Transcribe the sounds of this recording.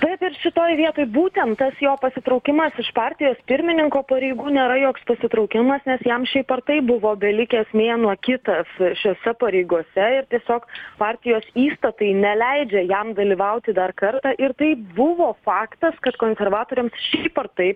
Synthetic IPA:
t̪ɐɪpɪrʃʲɪt̪oːjʋʲiɛt̪oːjbuːt̪ʲɛnt̪t̪ːɐsjoːpɐsʲɪt̪ɾɐʊkʲɪmɐsɪʃpɑːɾʲt̪ʲɪjoːspʲɪɾʲmʲɪnʲɪŋkoːpɐɾʲɛɪɡuːnʲeːɾɐjoːkspɐsʲɪt̪ɾɐʊkʲɪmɐsnʲɛsjɛmʃʲɛɪpɐrt̪ɐɪbʊʋoːbʲɛlʲɪkʲeɛsʲmʲeːnuɔkʲɪt̪ɐsʃʲoːsʲɛpɐɾʲɛɪɡuɔsʲɛɪɾt̪ʲiɛsʲoːkpɑːɾʲt̪ʲɪjoːsiːst̪ɐt̪ɐɪnʲɛlʲæɪd͡ʒʲɛjɛmd̪ɐlʲiːʋɐʊt̪ʲɪd̪ɐrkɐɾt̪ɑːʔɪɾt̪ɐɪpbʊʋoːfɑːkt̪ɐskɐt̪koːnʲsʲɛrʋɑːt̪oːɾʲɛmsʃʲɛɪpɐrt̪ɐɪp

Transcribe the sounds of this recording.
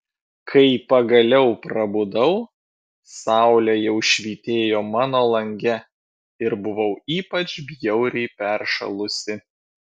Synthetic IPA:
kʰɐɪpɐɡɐlʲɛʊpɾɐbʊd̪ɐʊ | sɑˑʊlʲɛjɛʊʃʲʋʲiːt̪ʲeːjoːmɑːnoːlˠɐŋʲɡʲɛ | ɪɾbʊʋɐʊiːpɐt͡ʃbʲjɛʊɾʲɛɪpʲɛɾʃɐ̰lˠʊsʲɪ

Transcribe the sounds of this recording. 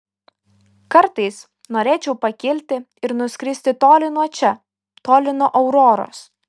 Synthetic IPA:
kɐɾt̪ɐɪs | noːɾʲeːt͡ʃʲɛʊpɐkʲɪlʲt̪ʲɪ | ɪɾnʊsʲkʲɾʲɪsʲt̪ʲɪt̪oːlʲɪnuɔt͡ʃʲɛ | t̪oːlʲɪnoːʔɐʊɾoːɾo̰ːs

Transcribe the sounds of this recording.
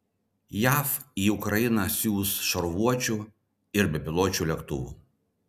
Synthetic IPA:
jæːfiːʊkɾɐjɪnɐsʲuːsʃɐɾʋuɔt͡ʃʲuˑ | ɪɾbʲɛpʲɪlˠoːt͡ʃʲuːlʲɛkt̪ʊ̰ʋṵː

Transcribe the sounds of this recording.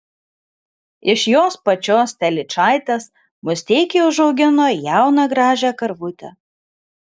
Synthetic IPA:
ɪʃjoːspɐt͡ʃʲoːst̪ʲɛlʲɪt͡ʃɑˑɪt̪ʲes | mʊsʲt̪ʲeɪkʲeːʊʒɐʊɡʲɪnoːjæˑʊnɐɡɾɑːʒʲæːkɐɾʋʊt̪ʲɛ̰

